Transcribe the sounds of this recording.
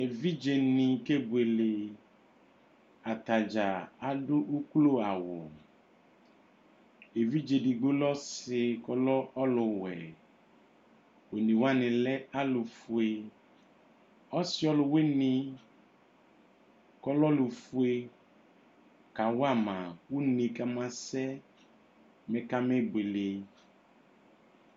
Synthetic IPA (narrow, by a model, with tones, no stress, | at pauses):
e˨vi˦d͡ʒe˨nĩ˨ke˦bu˨e˨le˨ | a˨t̪a˨d͡ʒa˨a˨ɖʊ˦u˦klo˦a˨wʊ˨ | e˨vi˦d͡ʒe˨di˨ɡ͡bo˦lɔ˦sɪ˨kɔ˦lɔ˦ɔ˦lʊ˨wɛ̰˨ | wo˨nĩ˨wa˦nɪ̃˨lɛ˦a˦lʊ˨fu˨˦e˨ | ɔ˦sɪ˦ɔ˦lʊ˨we˦nĩ˨ | kɔ˦lɔ˦lu˨fu˦e˦ | ka˨wo˦a˦˨mã˨wu˦nĩ˨ka˦mã˦sɛ˦ | mɛ̃˨ka˦me˦be˨le˨